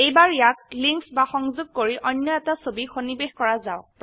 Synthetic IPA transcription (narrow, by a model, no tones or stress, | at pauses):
ejbaɹijak̚liŋksbaxɔŋzʊɡ̚koɹiʔɔjnjɔɛtasobixonibexkɔɹazaʊp